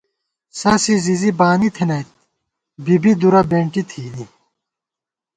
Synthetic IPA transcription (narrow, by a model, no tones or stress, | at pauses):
sɐsizizibaːnit̪ʰenɐjt̪̚ | bibid̪uɾɐbẽːɳʈit̪ʰiːni